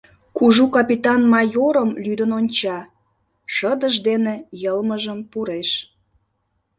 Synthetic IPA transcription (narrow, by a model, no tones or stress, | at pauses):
kuʒukɑpʲit̪ɑnmɑjoɾəmlyd̪ənonʲt͡ɕɑ | ʃəd̪əʒd̪enejəlməʒəmpuɾeʃ